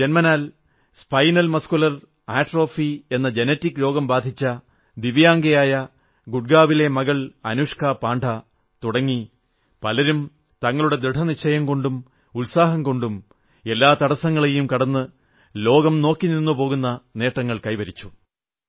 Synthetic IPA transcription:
d͡ʑe̞nmɐnaːl | spɐjnɐlmɐskulɐr | aːʈro̞ːfie̞nːɐd͡ʑe̞netːikːlo̞ːɡɐmbaːd̪ʱit͡ɕːɐ | d̪iʋjaːŋɡɐjaːjɐ | ɡuɖ̚ɡaːʋile̞mɐɣɐɭɐnuːʂkʰaːpaːɳɖʰʱɐ | t̪uɽɐŋːi | pɐlɐɾum | t̪ɐŋːɐɭuɽe̞d̪ɾeʈʰɐniɕʰɐjɐmko̞ɳɖum | ulsaːɦɐmko̞ɳɖum | e̞lːaːt̪ɐɽɐsɐŋːɐɭe̞jumkɐɽɐnːɨ | lo̞ːɡɐmno̞ːkːiniɾnːupo̞ːɣunːɐne̞ːʈːɐŋːɐɭkɐjʋɐɾit͡ɕːu̥

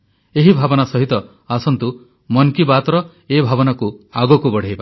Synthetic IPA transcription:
eɦibʱabɔnasɔɦit̪ɔ | asɔnt̪u | mɔnkibat̪ɾɔ | ebʱabɔnakuaɡɔkubɔɽ̤ʱejba

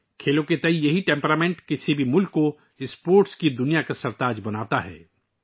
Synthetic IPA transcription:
kʰeːlõket̪ɐijɐɦiʈẽːmpɾaːmẽːɳʈkɪsibʱimʊlkːo | ɪspoːɾʈskid̪ʊnijakasɐɾt̪aːd͡ʒbɐnaːt̪aɦɛ̰ː

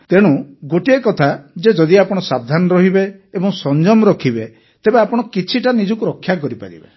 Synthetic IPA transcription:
t̪eɽ̃uɡoʈiekɔt̪ʰad͡ʒed͡ʒɔd̪iapɔɽ̃ɔsab̚d̪ʱanɔɾɔɦibeːbɔŋsɔnd͡ʒɔmɔɾɔkʰibe | t̪ebeapɔɽ̃ɔkit͡ʃʰiʈanid͡ʒɔkuɾɔkʰːjak̬ɔɾipa̰ɾḭbḛ

